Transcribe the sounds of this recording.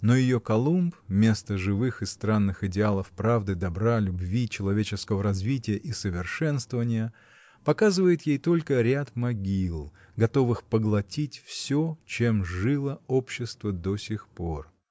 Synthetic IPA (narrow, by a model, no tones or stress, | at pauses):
nojɪjokɐlˠumpmʲe̞st̪əʐɨvɨxɨst̪ɾanːɨxɪdʲɪalˠəfpɾavd̪ɨd̪ɐbɾalʲʊbvʲit͡ɕɪlˠɐvʲet͡ɕɪskəvəɾɐzvʲitʲɪjəʔisəvʲɪrʂɛnst̪vəvənʲɪjə | pɐkazɨvəjɪt̪jejt̪o̞lʲkəɾʲat̪mɐɡʲilˠ | ɡɐt̪o̞vɨxpəɡlˠɐtʲitʲfsʲot͡ɕe̞mʐɨlˠəopɕːɪst̪vəd̪osʲɪxpo̞r